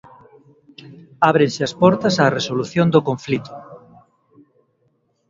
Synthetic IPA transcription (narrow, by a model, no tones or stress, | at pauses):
aβ̞ɾensɪaspɔɾt̪ɐsaːresoluθjõnd̪okõɱflit̪ʊ̥